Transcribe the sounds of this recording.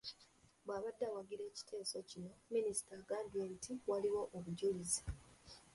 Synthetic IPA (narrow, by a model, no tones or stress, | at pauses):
bwaːβadːawaɡiɾe̞ːci̥tʰe̞ːso̞cino̞minisi̥taɡaːndieβitʰiwaliwo̞ʔoβuɟulizi̥